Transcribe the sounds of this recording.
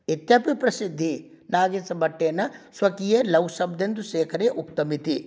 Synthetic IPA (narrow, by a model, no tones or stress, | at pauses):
it̪japipɾɐsid̪ʱːi | naːɡesɐbɐʈːeːnɐsʋɐkijeːlɐwsɐb̚d̪end̪uʃeːkʰɐɾeʔuk̚t̪ɐmit̪i